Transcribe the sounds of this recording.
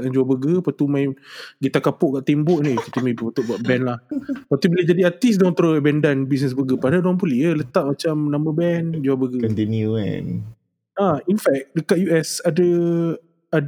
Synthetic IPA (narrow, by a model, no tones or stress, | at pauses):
and͡ʒuabəɡəpat̪umãjɡit̪akapʊʔkaʔt̪embɔʔnikit̪umebipat̪uʔbaʔ̚bɛnlahpat̪ubilad͡ʒadiat̪is̬dɔnt̪ɾoəbɛndanbis̬nəs̬bəɡəpadadɔŋpuliələt̪aʔ̚mat͡ʃamnaməbɛnd͡ʒuabəɡənd̪ɛniuɛ̰n | ainfɛk̚dəkat̪̚juɛsadə | a